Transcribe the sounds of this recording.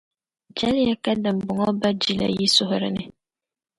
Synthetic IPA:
d͡ʒa˦lja˦ka˦dɨ˨m˨bʊ˨ŋɔ˦ba˦d͡ʒi˦la̰˨ji˦sʊ˦ɦʊ˦ɾɨ˨nɨ˦

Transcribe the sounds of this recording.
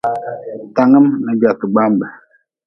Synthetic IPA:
ta˨ŋə˦mnə˨d͡ʒa˨tə˨ɡ͡ba˦mbə˨

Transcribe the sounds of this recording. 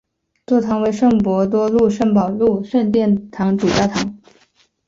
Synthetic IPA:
t̪wɔ˥˩t̪ʰɑ˧˥ŋwe˧˥ɪʂɤ˥˩ŋpwɔ˧˥t̪̬wɔ˥lu˥˧ʂə˥˩ŋpɑ˨˩ʊlu˥˩ʂə˥˧nt̪jɛ˥˩nt̪ʰɑ˧˥ŋʈ͡ʂu˨˩t͡ɕjɑ˥˩t̪ʰɑ˧˥ŋ

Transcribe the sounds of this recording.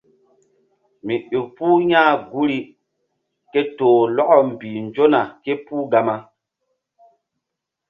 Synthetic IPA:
mi˨ɗu˨puː˦ɲãː˦ɡu˦ɾi˦ | ke˦toː˨lɔ˦kɔ˨m̩˨biː˨n˨d͡ʒo˦na˨ke˦puː˦ɡa˨ma˦

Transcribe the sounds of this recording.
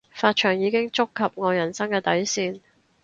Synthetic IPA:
faː˧t̚t͡ʃʰœː˨˩ŋjiː˨˧kɪ˥ŋt͡sʊ˥kʰːɐ˨p̚ŋɔː˨˧jɐ˨˩nsɐ˥ŋkɛː˧t̪ɐ˨˥jsiː˧n

